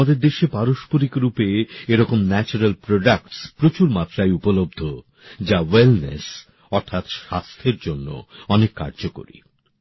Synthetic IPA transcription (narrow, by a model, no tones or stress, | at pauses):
ad̪eɾd̪eʃepaɾoʃpoɾikɾupeeɾɔkomnɛt͡ɕuɾalpɾoɖakʈspɾot͡ɕuɾmat̪ɾaeupolob̚d̪ʱo | d͡ʑawelnḛs | ɔɾt̪ʰat̪ʃast̪ʰeɾd͡ʑonːo̰ɔnekːa̰ɾd͡ʑoko̰ɾḭ